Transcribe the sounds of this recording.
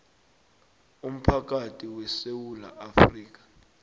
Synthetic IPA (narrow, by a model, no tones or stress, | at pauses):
um̩pʰak̬atʰʼiwɛsewula̰ʔafriːk̬ḁ